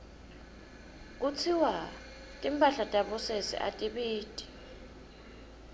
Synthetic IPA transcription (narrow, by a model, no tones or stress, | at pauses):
k̬ʼut͡sʰiwa | tʼimpʼaɬatʼaɓɔsesḭʔa̰tʼiɓiːtʼi̥